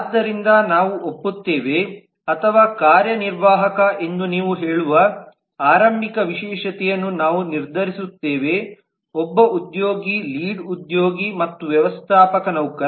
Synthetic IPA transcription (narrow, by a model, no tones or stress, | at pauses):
d̪ːɐɾind̪ɐnaːʋuʔopːut̪ːeːʋe̞ | ɐt̪ʰɐʋaːkaːɾjɐniɾʋaːɦɐkɐʔe̞nd̪uniːʋuɦeːɭuʋɐ | aːɾɐmbikɐʋiʃɛːʃɐt̪ɛjɐnːunaːʋuniɾd̪ʱɐɾisut̪ːeːʋe̞ | ɔbːɐʔud̪joːɡiliːɖud̪joːɡimɐt̪ːuʋjɐʋɐst̪ʰaːpɐkɐnɐwkɐ